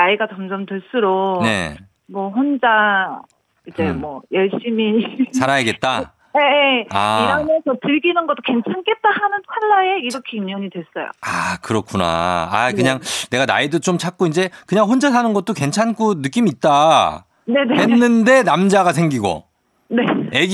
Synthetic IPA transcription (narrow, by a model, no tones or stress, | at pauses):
naiɡat͡ɕʌmd͡ʑʌmtweɭs͈uɾone̞̰ | mʌɸond͡ʑa | id͡ʑe̞mwʌjʌɭɕ͈imit͡ɕaɾajeɡe̞t̚t͈a | eeaiɾamʌnsʰʌtɯɭɡinɯnɡʌt͈o̥ke̞nt͡ɕʰank͈e̞t̚t͈ahanɯnkʰwaɭːae̞iɾʌkʰeimjʌɲidwe̞s͈ʌjo̰akɯɾʌkʰuna̰a̰kɯɲaŋne̞ɡana̰idot͡ɕomt͡ɕʰak̚k͈oind͡ʑe̞kɯɲaŋɸond͡ʑasʰanɯnɡʌt̚t͈oke̞nt͡ɕʰank͈onɯk͈imiːt̚t͈a | ne̞nehenːɯnde̞namd͡ʑaɡasʰe̞ŋɡiɡo̰ | ne̞eɡ